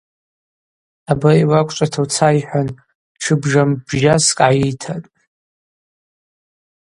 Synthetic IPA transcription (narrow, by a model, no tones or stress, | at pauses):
abaiwakʷʼt͡ʃʷʼatʰawt͡sʰajħʷᶣan | ʈ͡ʂʷʰɨbʐambʒaskʼajitʰatʼ